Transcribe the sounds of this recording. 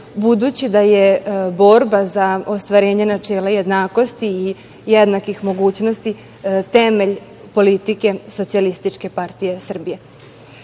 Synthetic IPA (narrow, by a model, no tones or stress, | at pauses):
bud̪ut͡ɕid̪ajebo̞ɾbazaost̪ʋaɾeːɲenat͡ʂe̞ːlajed̪naːko̞st̪iː | jed̪nakixmo̞ɡuːt͡ɕno̞st̪i | t̪emeʎ | po̞lit̪ike̞sot̪sialist̪it͡ʂke̞paɾt̪ijesr̩bije̞